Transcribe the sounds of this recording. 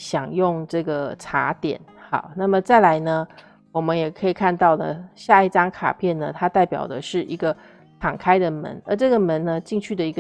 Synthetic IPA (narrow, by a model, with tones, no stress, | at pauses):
ɕjɑ˨˩ŋjʊ˥˧ŋʈ͡ʂɤ˥˩ɡə˩ʈ͡ʂʰa˧˥t̪jɛ̰˨˩˦nxɑ̰˥˩˦na˥˩mə˨t͡sa˥˩ɪla˧˥ɪnə˧ | wɔ˨˩mə˦njɛ˨˩kʰə˧˥i˨˩kʰa˥˧nt̪ɑ˥˩ʊd̪ə̰˩ɕja˥˧i˥˩ʈ͡ʂɑ˥ŋkʰa̰˨˩pʰjɛ˥˩nnə˩t̪ʰa˥t̪a˥˩ɪpjɑ̰˨˩ʊd̪ə˦ʂɻ̩˥˩i˧˥ɡə˧ | ʈ͡ʂʰɑ˨˩ŋkʰa˥ɪd̪ə˨mə̰˧˦nə˧˥ʈ͡ʂɤ˥˩ɡə˩mə˧˦nnə˧t͡ɕi˥˧ŋt͡ɕʰy˥˩d̪ə˩i˧˥ɡə